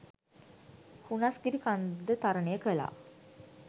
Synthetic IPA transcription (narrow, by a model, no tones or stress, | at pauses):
hunasɡiɾikand̪ət̪aɾənejəkəla̰ː